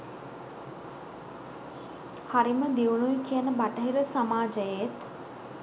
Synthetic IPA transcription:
haɾiməd̪iʋunujkijənəbaʈəɦiɾəsamaːd͡ʒəjet̪

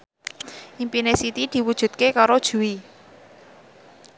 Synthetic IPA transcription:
ʔimpinesit̪id̪̥i̤wud̥ʒ̥ṳt̪̚kekaɾod̥ʒ̥ṳwi

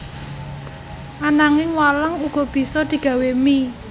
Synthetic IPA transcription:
ʔanaŋɪŋwalaŋuɡ̥ɔ̤b̥i̤sɔd̪̥i̤ɡ̥a̤wemi

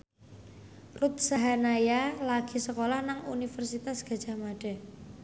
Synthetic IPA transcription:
rut̪̚saɦanajalaɡ̥i̤səkolahnaŋṵnifərsit̪asɡ̥a̤d̥ʒ̥a̤hmaɖ̥ɛ̤

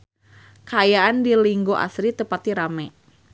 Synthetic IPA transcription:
kaːjaandiliŋɡoʔa̰sɾit̪əpat̪iɾamɛ

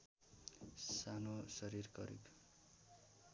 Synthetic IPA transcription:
sanosʌɾirkʌ̰ɾḭk

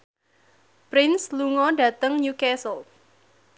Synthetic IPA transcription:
pɾɪnsluŋɔdä̤t̪əŋɲukɛsəl

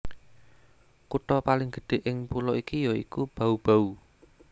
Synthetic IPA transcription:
kuʈɔpalɪŋɡ̥ə̤̥ɖ̥e̤ʔɪŋpulɔʔikijɔḭkub̥a̤ub̥a̤u

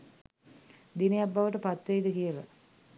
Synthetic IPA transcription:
d̪inejabːaʋəʈəpat̪ʋeid̪əkijəʋæ

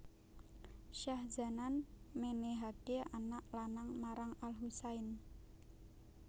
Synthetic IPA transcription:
ʃahza̤nanmeneɦaɡ̥eanaʔlanaŋmaɾaŋalɦusaɪn

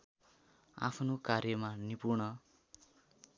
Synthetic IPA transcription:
a̰pʰnokarjʌmanipurɳʌ

